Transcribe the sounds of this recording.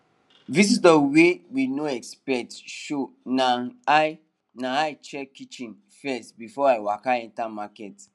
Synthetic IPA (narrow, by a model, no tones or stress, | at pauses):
vis̬izdəwewinoɛkspɛtʃonaa | naaɪt͡ʃɛkit͡ʃĩn | fɛstbifɔaɪwakaɛ̃ntamakɛt